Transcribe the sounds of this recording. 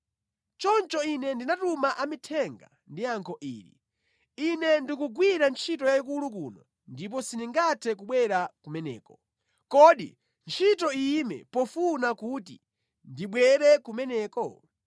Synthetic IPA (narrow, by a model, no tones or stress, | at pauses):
t͡ʃɔnt͡ʃɔinɛndinatumaʔamitʰɛŋɡa̰ | ndiaŋkʰɔʔiːɾḭ | inɛndikuɡwiɾant͡ʃʰitɔjaik̬ulukunɔ | ndip̬ɔsiniŋɡatʰɛkuɓwɛɾakumɛnɛ̰ːkɔ | kɔɗḭ | nt͡ʃʰitɔimɛ̰pɔfunakutḭ | ndiɓwɛɾɛkumɛnɛːkɔ